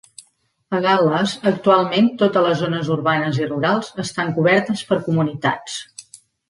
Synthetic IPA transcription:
əɣaləzək̚t̪ualˠment̪ot̪ələzonəzuɾβanəziruɾalˠzəst̪aŋkuβɛɾt̪əspəɾkumunit̪a̰t͡s

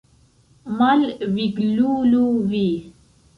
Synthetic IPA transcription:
malwiɡluluwi

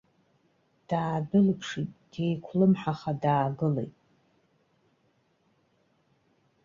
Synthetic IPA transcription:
d̥aːbɨlpʰʂitʼd̥ejkʷʰlɨmħaχadaːɡɨlḛjtʼ

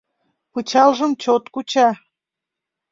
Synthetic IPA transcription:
put͡ɕɑlʒəmt͡ɕot̪kut͡ɕɑ

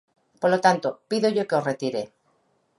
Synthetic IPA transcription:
polo̞t̪ant̪opiðoʝoke̞o̞sret̪iɾe̞

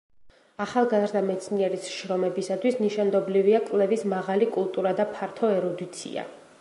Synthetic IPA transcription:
aχalˠɡazɾd̪amɛt̪sʰniɛɾisʃɾɔmɛbisat̪ʰwisniʃand̪ɔbliviakʼvlɛvismaʁalikʼulˠt̪ʼuɾad̪apʰaɾt̪ʰɔɛɾɔd̪it̪sʰḭa̰

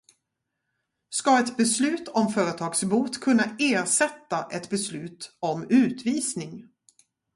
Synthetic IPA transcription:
skaɛt̪bɛslʉ̟ːt̪ʰɔmfœːɾət̪ʰɑːɡsbuːt̪kʰɵnːaeːɾʂɛt̪ːaʔɛt̪bɛslʉ̟ːt̪ɔmʉ̟ːt̪viːsnɪŋ

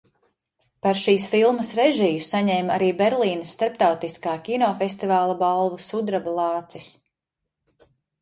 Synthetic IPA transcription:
paɾʃiːsfilˠmɐsɾɛʒiːssaɲɛːmaɾiːbɛɾlˠiːnɐst̪aɾpt̪awt̪iskaːkʲinɔːfest̪ivaːlˠubalˠvusud̪ɾabalˠɑːt̪sis

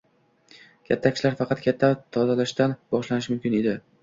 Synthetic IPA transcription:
kʲʰat̪ʰːakʰʲɪ̥ʃlaɾfɑqʰɑt̪kʰʲat̪ʰːat̪ʰɒzalaʃt̪anbɒʃlanɪʃmʊmkʲɪne̞d̪ɪ

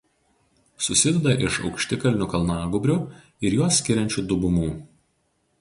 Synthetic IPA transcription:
sʊsʲɪd̪ʲɛd̪ɐʔɪʃɒ̰ʊkʃʲt̪ʲɪkɐlʲnʲʊkɐlˠnɑːɡʊbʲɾʲʊ | ɪɾjuɔsʲːkʲɪɾʲɛnʲt͡ʃʲuːd̪ʊbʊmuː

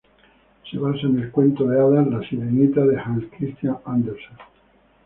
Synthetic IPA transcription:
se̞βasaene̞lkwe̞nt̪oðeaðalasiɾenit̪aðehãnskɾist̪jaŋand̪eɾson

